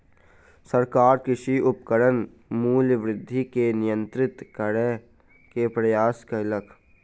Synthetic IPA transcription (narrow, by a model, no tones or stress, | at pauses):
səɾkaːɾkɪʃiʔʊpkəɽən | muːlʋɾɪd̪ʱːikenɪjə̃nt̪ɾɪt̪kəɽɛ | kepɾɐjaːskəɪləkʰ